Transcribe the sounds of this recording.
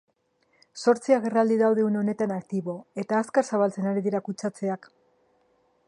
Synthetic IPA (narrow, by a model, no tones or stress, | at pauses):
so̞ɾt͡siaɣe̞rald̪iðawðe̞uneo̞ne̞t̪anakt̪iβo̞e̞t̪aːskaɾsaβalt͡se̞naɾiðiɾakut͡sat͡se̞ak